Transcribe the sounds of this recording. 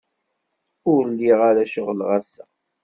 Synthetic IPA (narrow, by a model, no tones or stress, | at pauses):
ʊɾlːiʁaɾæʃəʁlʁasæ